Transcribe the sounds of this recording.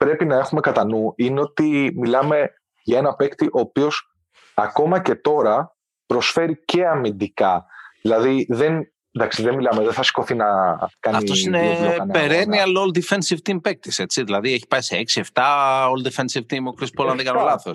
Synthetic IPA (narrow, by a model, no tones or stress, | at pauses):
pɾe̞pinɐe̞xume̞kɐt̪ɐnuineo̞t̪imilɐme̞ | ʝɐe̞nɐpe̞kt̪iʔo̞ːpio̞s | ɐko̞mɐce̞t̪o̞ɾɐ | pɾo̞sfe̞ɾice̞ɐmind̪ikɐðilɐðiðe̞n | nd̪ɐksiðenmilɐmeðenθɐsi̥ko̞θinɐkɐnɐft̪osinenpeɾeniɐlold̪ifensivt̪impek̚t̪ise̞t͡siðilɐðieçi̥pɐiseeksie̞ft̪ɐold̪efensivt̪imokɾispolɐnðikɐnolɐθos